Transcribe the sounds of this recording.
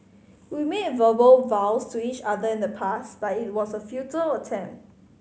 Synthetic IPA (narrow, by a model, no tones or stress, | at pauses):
wimed̚vəbəlvawstʰuit͡ʃadəɪ̃ndəpʰasb̥atɪt̚wɔsəfjutələtʰɛ̃mp̚t